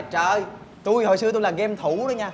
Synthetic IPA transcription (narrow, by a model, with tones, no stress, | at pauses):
t͡ɕəː˧˩j | t̪u˧jho̰˧˨js̬ɨ˧ət̪u˧jlaː˨˩ɣɛ˧mt̪ʰu˧˩˦ɗə˨˦ɲaː˧